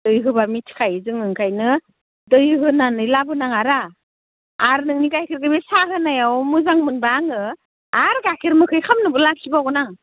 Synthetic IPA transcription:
dɯjɦɯbamitʰkʰajzɯŋɯŋkʰajnɯ | dɯjɦɯnanɯjlabɯnaŋaɾaː | ɾnɯŋniɡajkʰiɾɡɯbesaɦɯnajawmuzaŋmɯnbaŋɯ | aɾɡakʰiɾmɯkʰɯjkʰamnɯbɯlakʰibaɡɯnaŋ

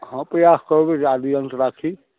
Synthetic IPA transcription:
ɦãpɾəjaskəɾbed͡ʒad̪ijənt̪ɾakʰi

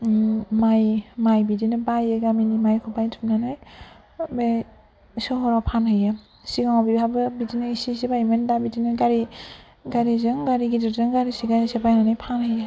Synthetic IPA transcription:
majmajbidinɯbajeɡaminimajkʰɔpajtʰumnanaj | be | sɔɦɔɾapʰanhɯja | siɡaŋabibabɯbidinɯisisibajmendabidinɯɡaɾi | ɡaɾizɯŋɡaɾiɡidɯɾzɯŋɡaɾisiɡasebajnanajpʰanhɯja

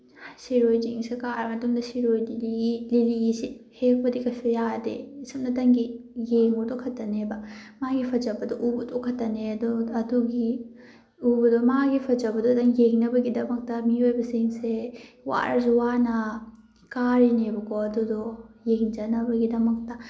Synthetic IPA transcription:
siɾojd͡ʒiŋsekaɾmɐtuŋdɐsiɾojdiililiisihek̚bɐdikɐsʰejadḛsɐm̚nɐtɐŋɡijeŋudɔkʰɐtːɐnebɐmaɡipʰɐd͡ʒɐbɐdɔʔubɐdɔkʰɐtɐneɐduɐduɡi | ubɐdɔmaɡipʰɐd͡ʒɐbɐdɔtɐŋjeŋnɐbɐɡidɐmɐk̚tɐmiojbɐsiŋse | wa̰ɾzuwanɐ | kaɾinebɐkɔɐdudɔjeŋd͡ʒɐnɐbɐɡidɐmɐk̚tɐ

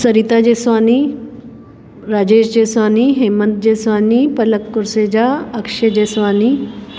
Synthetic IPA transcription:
səɾit̪ad͡ʑesʋani | ɾad͡ʑeɕd͡ʑesʋaniɦemənt̪̚d͡ʑesʋanipələkːuɾsed͡ʑaəkʂed͡ʑesʋani

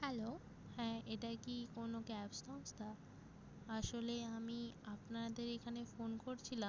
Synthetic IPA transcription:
hɛlo | hɛ̃ːeʈakikonokɛpsʈɔnst̪ʰa | aʃoleamiapnad̪eɾekʰanefonkoɾt͡ɕʰilam

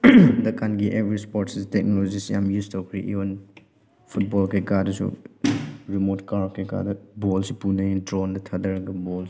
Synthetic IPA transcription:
dɐkʰanɡiʔebɾispɔɾʈsistɛk̚nɔlod͡ʒisja̰mjustʰokʰɾḭʔḭwɐn | pʰut̚bɔlkekadɐsṵ | ɾimotkaɾkʰeka̰dɐbɔlsipunɐidɾɔndɐtʰɐdɐɾɐɡɐbɔls

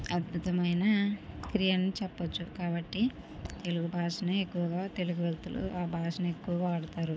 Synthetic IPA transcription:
ɐd̪̚bʱut̪ɐmɐjnɐkɾijɐnːit͡ʃɛpːɐt͡ʃːukaːbɐʈːi | t̪e̞luɡubʱaːʂɐnɐekːuʋɐɡaːt̪e̞luɡuʋelt̪ulṵaːbʱaːʂɐnɐe̞kːuʋɐɡɐːɽut̪aːɾu

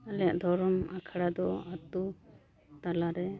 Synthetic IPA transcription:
alɛjaʔd̪ʱɔɾɔmakʰaɽad̪ɔat̪u | t̪alaɾɛ

